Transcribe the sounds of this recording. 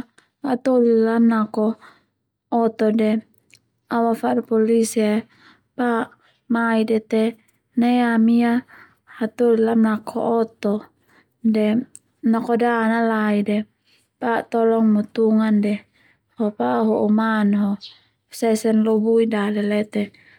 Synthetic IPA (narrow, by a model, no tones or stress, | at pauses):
hat̪olilamnakɔː | t̪ɔdɛ | awafarpɔlisia | pa | maidɛt̪ɛ | neamia | hat̪olilamnakʰɔ̰ʔːt̪ɔ | dɛ | nakɔdanalaidɛ | pat̪ɔlɔŋmut̪uŋandɛ | hɔpaɦoʔumanɦɔ | sɛsɛnlobuidalɛlɛt̪ɛ